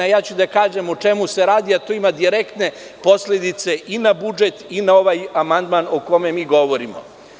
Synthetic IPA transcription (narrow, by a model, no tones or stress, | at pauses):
ajaːt͡ɕud̪akaːʒemot͡ʂe̞museɾaːd̪iat̪oimad̪iɾekt̪ne̞ | po̞slʲed̪it̪se̞ʔinabud͡ʒet̪inao̞ʋajamand̪manoko̞memiːɡo̞ʋo̞ɾimo̰